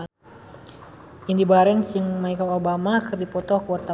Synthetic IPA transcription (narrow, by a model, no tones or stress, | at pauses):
ʔindibaɾɛnsəŋmaikaobamakɨrdipɔt̪ɔkəwart̪a